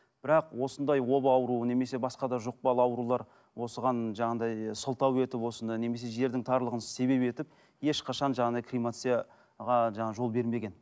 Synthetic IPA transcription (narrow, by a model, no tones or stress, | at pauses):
b̥ɪɾɑqwo̞sənd̪ɑjwo̞bəɑwɾune̞me̞se̞bɑsqɑd̪ɑʒoq̚pɑlˠɑwɾulˠɑɾ | wo̞səʁɑnʒɑɴɑnd̪ɑjsəlˠt̪ɑwe̞t̪ɪpwo̞sənd̪ɑjne̞me̞s̬e̞ʒe̞ɾd̪ɪŋt̪ʰɑɾlˠəʁənsə̥se̞βe̞pe̞t̪ɪp̚ | e̞ʃqʰɑʃɑnʒɑʁɑnd̪ɑjkʰrijmat̪sija | ʁɑʒɑɴɑʒo̞lˠbe̞ɾme̞ɡʲe̞n